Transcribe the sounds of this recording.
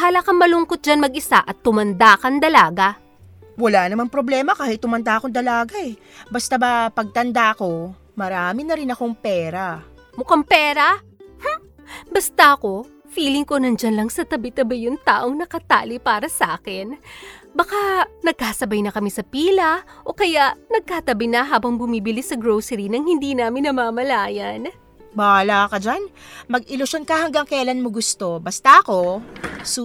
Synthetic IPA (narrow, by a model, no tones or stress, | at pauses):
haːlɐkɐmmɐlʊŋkot̪̚d͡ʒanmɐɡʔɪsa̰ʔɐt̪ːʊmɐnd̪aːkɐnd̪ɐlaːɡɐ | wɐlanɐmanpɾoblɛːmɐkaːhɪt̪ːʊmɐnd̪aʔɐkond̪ɐlaːɡaʔɛ | bɐst̪abapɐɡ̚t̪ɐnd̪aɐko̞ | mɐɾaːmɪnɐɾɪnɐko̞ŋpɛːɾa | mʊkaŋpɛːɾɐ | ha | bɐst̪ɐʔɐko̞ | fiːlɪŋko̞nɐnd͡ʒɐnlɐŋsɐt̪ɐbɪt̪ɐbɐjʊŋt̪aːʔoŋnɐkɐt̪a̰ːlɪpaːɾɐsʔaːkɪnbɐkanɐɡ̚kaːsɐbɐjnɐkɐmisɐpiːlɐʔo̞kɐjaʔnɐɡ̚kaːt̪ɐbɪjnɐɦaːbɐŋbʊmiːbɪlɪsɐɡɾowsɛɾinɐŋhɪnd̪iːnaːmɪnːɐmaːmɐlaːjɐn | balakɐd͡ʒanmɐɡɪlʊʃonkɐhɐŋɡaŋkɛlanmoɡʊst̪o̞bɐst̪aʔɐko̞